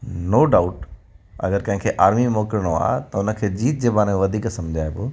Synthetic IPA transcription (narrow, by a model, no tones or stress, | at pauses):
noːɖaːʊʈ | ɐ̰ɡəɾkɐ̃ɦɪ̃ŋkʰeːʔaːɾmimɔːkɪɾɽ̃oa̰t̪ɐʊnə̆kʰeːd͡ʑiːt̪̚d͡ʑeːbaːñʋɐd̪ʱiːksɐ̃md͡ʑʱaːebʊ